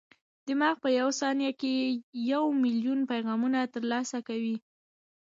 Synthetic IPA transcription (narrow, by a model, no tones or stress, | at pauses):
d̪̥əmɑxpəjawsɑnjakejawmiljunpajɣɑmunat̪əɾlɑsakawi